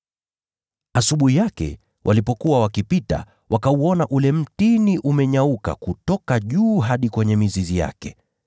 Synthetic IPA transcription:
asuɓuhijakɛ̰ | wʔa̰lipɔkuwawakipita̰ | wʔakauɔnaʔulɛm̩tiniʔumɛɲauka̰kutɔkaʄuːɦaɗikwɛɲɛmizizija̰kɛ

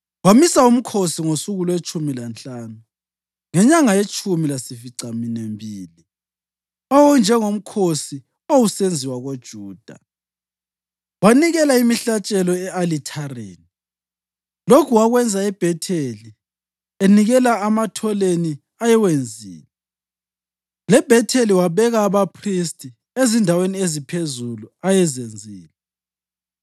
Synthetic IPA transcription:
wamisaum̩kʰosiŋosuɣulwet͡ʃʰʼumilant͡ɬʼaːnu | ŋɛɲaŋajet͡ʃʼʰumilasifiǀaminembʱiːli | ɔwnd͡ʒʱɛŋom̩kʰosi | owusend͡zʱiwaɣod̥ʒ̥ʱuːd̥ʱa̰ | waniɣɛlaimiɬat͡ʃʼɛlɔɛʔalitʰarḛːni | lokʰuwaɣwɛnd͡zʱaɛb̥ʱɛtʰeli | eniɣɛlaːmatʰɔleni | ajɛwend͡zʱḭːlɛ | lɛb̥ʱɛtʰeliwaβɛɣaːβapʰristʰʼi | ezindʱaweniezipʰezuluajɛzend͡zʱiːlɛ

